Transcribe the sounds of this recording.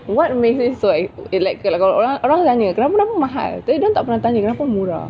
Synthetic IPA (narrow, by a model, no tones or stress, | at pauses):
wɔt̚mẽksisolakitlakəlakooɾaŋoɾaŋt̪aɲə̃kənapanapamaɦa̰lt̪apidont̪aʔpərnat̪aɲə̃kənapamũɾa̰